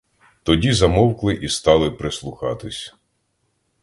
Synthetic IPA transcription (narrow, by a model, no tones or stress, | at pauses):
t̪ɔdʲizɐmɔwklˠɪʔist̪ɑlˠɪpɾeslˠʊxɑt̪ɪsʲ